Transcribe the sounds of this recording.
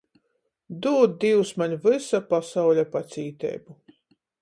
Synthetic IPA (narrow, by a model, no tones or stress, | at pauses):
d̪uːd̪̚d̪iwsmaɲvɨsapasawlʲapat̪sʲiːt̪ɛ̰ːjbu